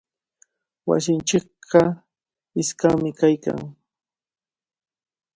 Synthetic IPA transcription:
wa̰sɪnt͡ʃɪkɢɑ | ɪskamɪkajka̰ŋ

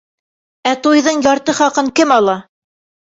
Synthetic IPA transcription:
æt̪ujðɤɴjɑɾt̪ɤχɑqɤŋkɘmɑlˠɑ

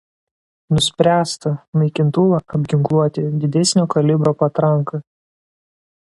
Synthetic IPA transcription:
nʊsʲpʲɾʲæːst̪ɐnɐɪkʲɪnt̪ʊʋɐʔɐbʲɡʲɪŋklˠuɔt̪ʲɪd̪ʲɪd̪ʲɛsʲnʲoːkɐlʲɪbɾoːpɐt̪ɾɐŋkɐ

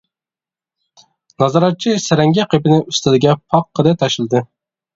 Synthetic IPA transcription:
nɑzɑɾɑt̪̚t͡ʃʰisɪɾɛŋɡʲɛqʰepɪnɪyst̪ɪd̪ɪɡʲɛpʰɑqːəd̪ɛt̪ʰɑʃɨlˠɨd̪ɨ

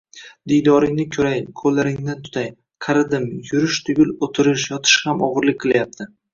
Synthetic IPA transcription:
d̪ijd̪ɒɾɪŋnɪkʲʰɵɾajkʰolːaɾɪŋnant̪ʰʊ̥t̪ʰaj | qʰɑɾɪd̪ɪmjʊɾɪʃt̪ʰʊɡʲʊlˠot̪ʰɪɾɪʃjɒt̪ʰɪ̥ʃhamɒʁɨɾlɪkʲqʰɨlˠjap̚t̪ʰɪ

